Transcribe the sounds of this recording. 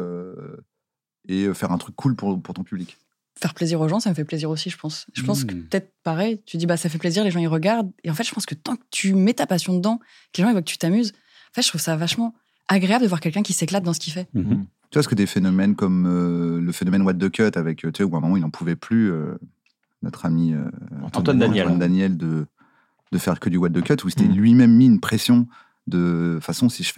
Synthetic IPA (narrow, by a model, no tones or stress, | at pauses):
ø | eøfɛʁɛ̃t̪χykːulpuʁpuʁt̪ɔ̃pyblik | fɛʁpleziʁoʒɑ̃saməfɛpleziʁosiʒəpɑ̃sʒ̥əpɑ̃skəpət̪ɛt̪χpaʁɛjt̪yd̪ibasamfɛpleziʁleʒɑ̃iʁəɡaʁd̪eɑ̃fɛt̪ʒ̥əpɑ̃skət̪ɑ̃kə̥t̪ʰymɛt̪apasjɔ̃d̪əd̪ɑ̃ | kəleʒɑ̃ivwakət̪ʰy̥t̪amyz | ɑ̃fɛt̪ʒət̪χuv̥savaʃmɑ̃ | aɡʁeabləd̪əvwaʁkʲɛlkʲɛ̃kʲiseklat̪̚d̪ɑ̃səkʰʲifɛ | t̪yvaskəd̪efenɔmɛnkɔmøləfenɔmɛnwad̪̚d̪əkʲœt̪avɛkʰøt̪yauɛ̃mɔmɑ̃ilnɑ̃pʰuvɛplyø | nɔ̰t̪χamiø̰̃wand̪ãɛwand̪anjɛld̪ə | d̪̥əfɛʁkəd̪ywad̪d̪əkʲœt̪use̥t̪ɛlɥimɛmːiːnpχesjɔ̃ | d̪ə̃fasɔ̃siʒf